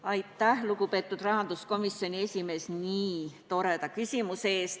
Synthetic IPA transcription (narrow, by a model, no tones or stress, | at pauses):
ɑjt̪ːˑæhlukupe̞ːt̪ːˑud̪̥rɑɦɑnd̪̥usko̞misːjo̞nʲie̞sʲime̞ːsniːt̪o̞ɾe̞d̪̥ɑkysʲimuseeːst̪